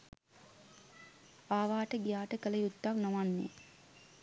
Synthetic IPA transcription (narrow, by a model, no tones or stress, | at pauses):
aːʋaːʈəɡijaːʈəkələjut̪ːaknoʋanːḛ